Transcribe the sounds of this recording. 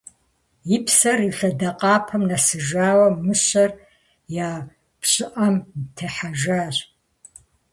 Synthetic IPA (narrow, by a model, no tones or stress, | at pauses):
jɪpʰsɐriɬɐdɐqʼɑːpʰɐmnɐsɨʒaːwɐmɨɕɐr | jaː | pɕʼɪʔɐmtʰɐħaʒaːɕ